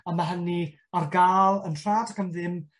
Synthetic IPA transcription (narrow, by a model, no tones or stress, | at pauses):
amaɦəni | arɡaːlˠənr̥aːdakamðɪm